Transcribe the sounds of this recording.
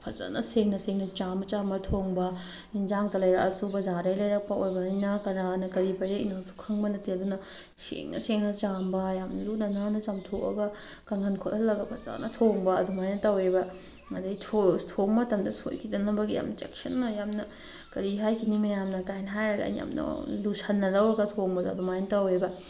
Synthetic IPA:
pʰɐza̰nɐseŋnɐseŋnɐt͡ʃambɐt͡ʃambɐtʰoŋbɐ | ind͡ʒaŋtɐlɐjɾa̰ʔɐsubɐzaɾɐjlɐjɾɐk̚pɐojbɐnijnɐkɐɾanɐkɐɾibɐɾeḭnaŋsu̥kʰɐŋbɐnɐteɐdunɐ | sḛŋnɐ̰seŋnɐt͡ʃambɐjamnɐlunɐnanɐt͡ʃamtʰoʔɐ̰ɡɐ | kɐŋhʰɐnkʰotɐlːɐɡɐbɐza̰nɐtʰoŋbɐɐdumajnɐtɐwebɐ | mɐdɐitʰotʰokmɐtɐmdɐso̰jkʰidɐnɐbɐɡija̰mnɐt͡ʃḛksɐ̰nːɐjamnɐ | kɐɾiɦajkʰinimɐjamdɐkajnɦajɾɐɡɐ̰ḭja̰mnɐ̰lusʰɐnːɐlɐwɾɐɡɐtʰoŋbɐdɐɐdumajnɐtɐwebɐ

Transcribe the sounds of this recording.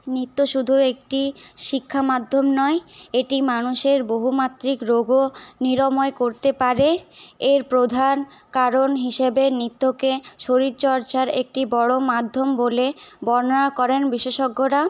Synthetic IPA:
nit̪ːoʃud̪ʱuek̚ʈiʃikʰːamad̪ʱːomnɔeeʈimanuʃeɾboɦumat̪ːɾikɾoɡoniɾomɔekoɾt̪epaɾeeɾpɾod̪ʱan | kaɾonɦiʃebenit̪ːokeʃoɾiɾt͡ɕɔɾt͡ɕaɾḛk̚ʈibɔɽomad̪ʱːombolebɔɾnoakɔɾenbiʃeʃoɡːoɾa

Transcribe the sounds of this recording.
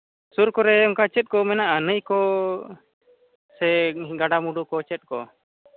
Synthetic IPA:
suɾkɔɾɛɔmkat͡ʃɛt̪̚kɔmɛnaʔənəjkɔ | sɛɡaɖamuɖukɔt͡ʃɛt̪̚kɔ

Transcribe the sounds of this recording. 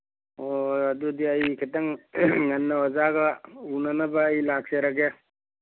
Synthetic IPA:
oɐdudiɐjkʰetɐŋːɐnːɐwɐzaɡɐunɐnɐbaːjlak̚seɾaɡe

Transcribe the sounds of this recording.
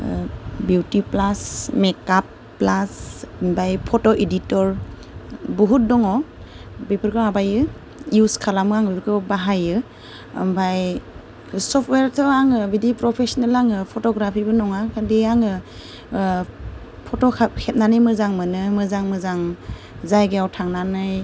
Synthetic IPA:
buwtiplasmekapː | lasmbajpʰotɔʔeditɔɾ | bɔɦut̚dɔŋɔ | bipɯɾkɯmabajɯ | juskʰalamɯaŋbipʰɾkɯbaɦajɯ̰ | mbʱaj | sɔp̚ʰtʰweɾtʰɔaŋɯbidipɾɔpʰesɔnelaŋɯpʰotɔɡɾapʰibɯnɔŋakʰadiaŋɯ | pʰɔtɔkʰap̚hʰet̚nanɯjmɯzaŋmɯnɯmɯzaŋmɯzaŋ | zajɡeawtʰaŋnanɯj

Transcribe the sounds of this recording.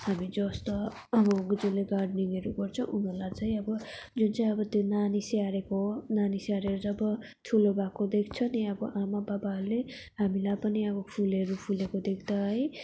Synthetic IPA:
hamid͡zʌst̪o | ʌbʌɡd͡zuleɡaɖniŋʌɾuɡʌrt͡sʰʌ̃ʔunʌlat͡saj̃ʌbʌd͡zunt͡saĩʌbʌt̪jonaniseaɾekonaniseaɾeɾud͡zʌbʌ | t̪ʰulobakod̪ekʰt͡sʰʌniʌbʌʔamababaɦɾule | ɦamilapʌniʌbʌpʰulʌɾupʰulekod̪ekʰt̪aɦʌj

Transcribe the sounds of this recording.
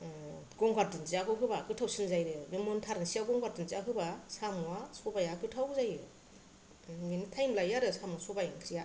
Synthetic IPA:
ɡ̥ɔŋɡaɾtɯnzijakɯwɦɯbakɯtʰawsinzajɾɯmimontʰaɾɯnsiaɡɔŋɡaɾtɯnziaɦɯbasamuwasɔbajakɯtʰawzajɾɯ | minitʰajmlajaɾɯsamuasɔbajankʰɾija

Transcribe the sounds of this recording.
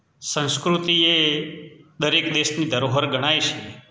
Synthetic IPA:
sə̃nskɾut̪ie | d̪əɾekd̪eʃnid̪ʱəɾoɦəɾɡʱəɽ̃ajʃi

